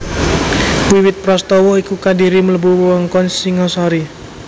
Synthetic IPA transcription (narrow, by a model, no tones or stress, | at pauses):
wiwɪt̪̚pɾɔst̪ɔwɔikukadiɾimələbuwuwɔŋkɔnsiŋɔsaɾi